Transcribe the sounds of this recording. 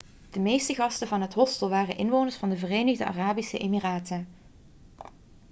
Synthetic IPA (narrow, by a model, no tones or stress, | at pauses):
d̥əmejstəɣɑstəvɑnɦətɦɔstəlˠʋaːrənʔɪnʋownəɹsfɑndəvərejnəɣdəʔa̰ːraːbisəʔeːmiraːtən